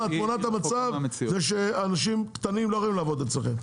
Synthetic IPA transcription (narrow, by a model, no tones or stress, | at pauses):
at̪monat̪amat͡savzeʃeaːnaʃimkt̪animloʁoimlaːvod̪elt͡slexem